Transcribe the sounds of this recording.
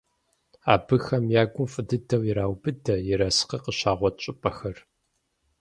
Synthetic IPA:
a̰ːbɨxɐmjaːɡʷʊmfʼɨdɨdɐwjɪɾaːwbɨdʰɐjɪɾɐsqɐqəɕaːʁʷɔt̚ʰɕʼɪpʼɐxɐr

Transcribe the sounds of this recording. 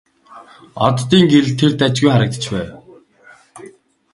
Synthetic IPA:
ɔt̪ːiːŋɡeɮt̪ʰert̪æt͡ɕɡujχaɾə̆k̚t̪ə̥̆t͡ɕpæːw

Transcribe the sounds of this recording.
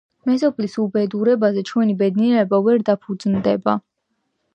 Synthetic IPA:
mɛzɔpʰlisubɛd̪uɾɛbazɛt͡ʃʰwɛnibɛd̪niɛɾɛbavɛɾd̪apʰud̪znd̪ɛba

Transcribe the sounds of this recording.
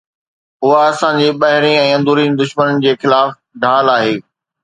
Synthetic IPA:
ʊɦaɐsãːd͡ʑiːɓɐɦɪɾĩɛ̃ːɐ̃nd̪ʱuːɾĩːnd̪ʊʃmənənɪ̆d͡ʑeːxɪlaːf | ɖʱaːlaːɦeː

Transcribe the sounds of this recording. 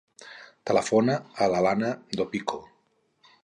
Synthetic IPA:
t̪ələfonaːlalanad̪opikʰo

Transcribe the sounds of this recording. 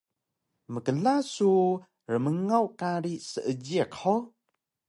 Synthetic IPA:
məkəlasu | rəməŋawkaɾisəʔəd͡ʒiəkʰɔ

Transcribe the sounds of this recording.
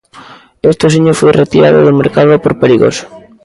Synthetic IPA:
est̪osiɲofojret̪iɾaðo̰ðʊmeɾkaðʊpoɾpeɾiɣo̰s

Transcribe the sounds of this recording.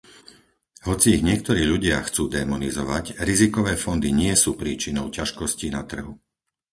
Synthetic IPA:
ɦɔt͡siːɣɲɪɛk̚t̪ɔɾiːʎuɟɪaxt͡suːd̪ɛmɔnizɔʋacɾizikɔʋɛːfɔnd̪iɲɪɛsuːpɾiːt͡ʃinɔʊcaʃkɔscinat̪r̩ɦu

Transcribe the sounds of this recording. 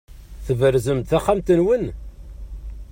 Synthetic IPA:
θəvəɾzəmd̪θæχːæmt̪ənwən

